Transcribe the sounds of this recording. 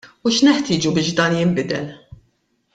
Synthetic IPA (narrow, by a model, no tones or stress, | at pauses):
uʃnɛħt̪ɪːd͡ʒubɪːʃd̪ɐːnjɪmbɪd̪ɛl